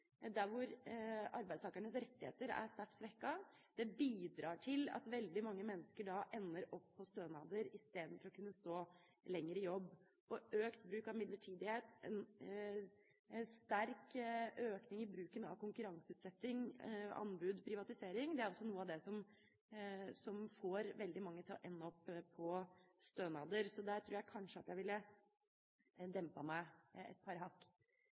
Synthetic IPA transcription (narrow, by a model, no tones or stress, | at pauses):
d̪æɾʋʊɾɑɾbæɪst̪ʰɑːkəɳəsɾɛt̪ːɪhḛːt̪əɾæ̰st̪æʈːsɾɛkːɑ | d̪ɛbiːd̪ɾɑːʈʰɪlɑ̰t̪ʋɛld̪ɪmɑŋːəmɛnːəskəɖɑʔɛnːəɾɔpʰːɔst̪øːnɑːd̪əɾɪst̪eːd̪n̩fɔɾɔkʰʉnːəst̪oː | lɛŋːəɾɪjɔbː | ʔɔʔøːkt̪bɾʉːkɑʋmɪd̪ləʈʰiːd̪ɪheːt̪ɛ̰n | st̪æɾkøːknɪŋɪbɾʉːkənɑ̰ʋkʊŋkʉɾɑŋsəʉːt̪sɛt̪ːɪŋɑ̰nbʉːd̪pʰɾɪʋɑt̪ɪseːɾɪŋd̪ɛæɾɔsːɔnuːəɑʋd̪ɛsɔm | sɔmfoːɾʋɛld̪ɪmɑŋːət̪ʰɪlɔ̰ʔɛnːəɔpːpʰːɔst̪øːnɑd̪əɾsɔd̪æːɾʈ̪ʰɾuːɾjæɪkʰɑnʂəɑt̪jæɪʋɪlːə | d̪ɛmpɑmæɪɛ̰t̪̚pʰɑɾɦɑkː